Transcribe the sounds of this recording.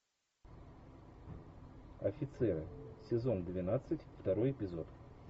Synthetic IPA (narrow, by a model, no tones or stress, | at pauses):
ɐfʲɪt̪sɛɾɨ̰sʲɪzo̞nd̪vʲɪnat̪sɨtʲft̪ɐɾo̞jɪpʲɪzo̞t̪